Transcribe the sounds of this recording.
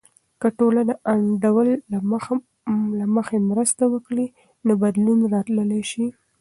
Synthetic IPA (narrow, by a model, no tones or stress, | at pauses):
kəʈolanaʔaɳɖawəl | laməxemɾəst̪awəkɽi | nobad̪lunɾɑt̪ləlajʃi